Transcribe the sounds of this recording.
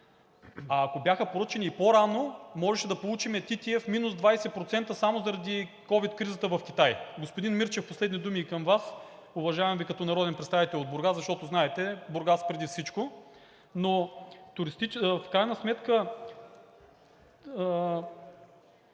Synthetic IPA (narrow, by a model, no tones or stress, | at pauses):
ɐːkobjaxəpoɾɤt͡ʃɛnʲiːpoɾanomɔʒɛʃɛd̪ɐpolˠut͡ʃimɛt̪it̪ʲiɛfminuzd̪vajsɛpɾot̪sɛnt̪əsamozɐɾɐd̪ikɔvit̪kɾizət̪əvɐfkʲit̪ajɡospod̪inmiɾt͡ʃɛfposlɛd̪nid̪umiːkɐmvas | ʊvɐʒavɛmvikɐt̪ɔnɐɾɔd̪ɛnpɾɛt̪st̪avit̪ɛlʲˠod̪̚boɾɡazɐʃt̪ɔt̪oznaɛt̪ɛboɾɡaspɾɛd̪ifsit͡ʃko | not̪ʊɾist̪it͡ʃfkɾajnəsmɛt̪kə